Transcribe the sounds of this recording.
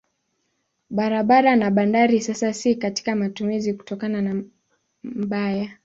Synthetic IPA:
ɓaɾaɓaɾanaɓandaɾisasasikati̥kamatumiziku̥tɔkanana | m̩ɓaja

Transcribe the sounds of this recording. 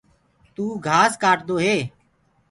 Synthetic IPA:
t̪uːɡʱaːskaːʈd̪oːɦeː

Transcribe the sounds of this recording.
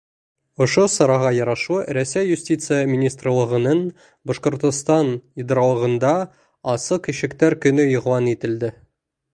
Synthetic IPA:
ŏʃosɒ̆ɾɑʁɑjɒɾɑʃuɾæsːæjjʉsʲtʲit̪sɨjəmʲɪnʲist̪rəlˠɤ̆ʁɤ̆nɤn | boʃqŏɾt̪ŏst̪ɑnid̪ɑɾɑlˠɤ̆ʁɤ̆nd̪ɑ | ɑsɤqiɕɘ̆kt̪æɾkɵ̆nɵoʁwɑnit̪ɘ̆ld̪ɘ

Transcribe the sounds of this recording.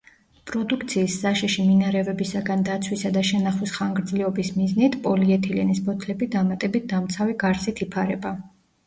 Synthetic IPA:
pʼɾɔd̪ukʰt̪sʰiːsz̥aʃiʃiminaɾɛvɛbisaɡand̪at̪sʰwisad̪aʃɛnaχwisχaŋɡɾd̪zlɛɔbismiznit̪ʰpʼɔliɛt̪ʰilɛnispʰɔt̪ʰlɛbid̪amat̪ʼɛbit̪̚ʰd̪amt̪sʰaviɡaɾsit̪ʰipʰaɾɛba

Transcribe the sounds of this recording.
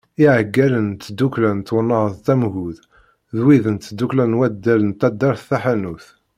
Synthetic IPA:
iʕəɡːælənt̪ːd̪uklænt̪ːwənːɑʁəðˤt̪æmɣuð | ðwiðənt̪d̪ːuklænwæd̪ːælənt̪æd̪ɑɾθːæħanuθ

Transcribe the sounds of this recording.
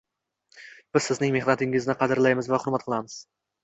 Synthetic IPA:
b̥ɪzsɪznɪŋmeχnat̪ɪŋɪznɪqʰɑd̪ɪɾlajmɪzvaχʊɾmat̪qʰlˠɑmɪz̥

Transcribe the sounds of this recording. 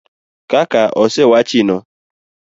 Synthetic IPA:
kakaɔsewat͡ʃinɔ

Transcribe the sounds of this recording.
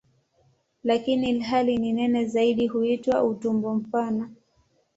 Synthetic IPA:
lakinilɦalininɛnɛzaiɗiɦuitwautumbɔm̩pana

